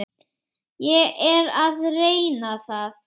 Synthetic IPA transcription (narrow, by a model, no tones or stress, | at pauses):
jɛɛɾaðreːjnaθað